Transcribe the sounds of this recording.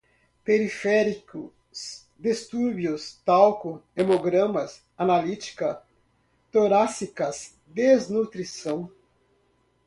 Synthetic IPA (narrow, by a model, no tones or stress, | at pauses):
peɾifɛɾikʊ | s | d̪est̪uɾbjʊst̪awkʊemoɡɾɐ̃mɐs | analit͡ʃi̥kɐ | t̪oɾasikɐs | d̪eznut̪ɾisɐ̃w̃